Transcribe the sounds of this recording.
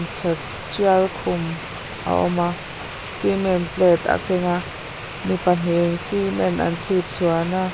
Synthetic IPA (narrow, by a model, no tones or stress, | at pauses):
nt͡sʰɛt̚ | t͡sialkʰʊm | ʔa̰ʔɔ̰ma | simɛnplɛt̪a̰kɛŋa | mipan̥eŋsimɛnʔa̰nt͡sʰit̚t͡sʰuana